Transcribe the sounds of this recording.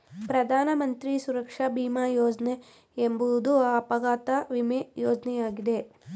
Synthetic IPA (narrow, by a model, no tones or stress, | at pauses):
pɾɐd̪ʱaːnɐmɐnt̪ɾisuɾɐkʂɐbʱiːmaːjoːd͡ʒɐne | embud̪uaːpɐɡaːt̪ɐʋimejoːd͡ʒnɛjaːɡid̪e̞